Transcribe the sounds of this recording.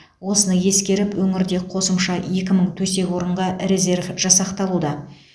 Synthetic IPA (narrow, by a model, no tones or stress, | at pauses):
wo̞sənəje̞skʲe̞ɾɪpwɵŋɪɾd̪e̞qʰo̞səmʃɑje̞kʲɪməɴt̪ʰɵse̞kʲwo̞ɾəɴʁɑɾe̞ze̞rvʒ̥ɑsɑqt̪ɑlˠud̪ɑ